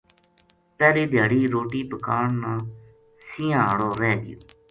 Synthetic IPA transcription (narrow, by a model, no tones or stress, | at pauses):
pɛːleːd̪ʱjaːɽiːɾoːʈiːpəkaːɳnaː | sɪːãːɽoːɾɛ̃ːd̪ɪ̰jo̰ː